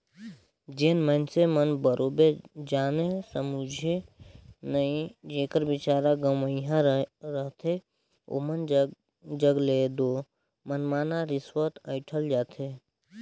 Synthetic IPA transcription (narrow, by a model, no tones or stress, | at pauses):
d͡ʒeːnmənsemənbəɾʔoːbed͡ʒaːnesəmud͡ʒʱe | nəĩd͡ʒeːkəɾbɪt͡ʃaːɾaɡəməiɦãɾəɦt̪ʰe | o̰ːmən | d͡ʒəɡleːd̪o | mənmaːnaɾɪswət̪əɪʈʰəld͡ʒaːt̪ʰe